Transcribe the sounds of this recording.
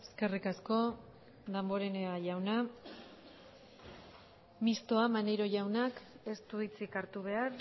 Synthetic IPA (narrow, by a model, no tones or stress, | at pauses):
eske̞rikasko̞ | d̪ambo̞ɾe̞neaʝawna | mist̪oamanejɾo̞ʝawnake̞st̪uit͡sikaɾt̪uβ̞e̞aɾ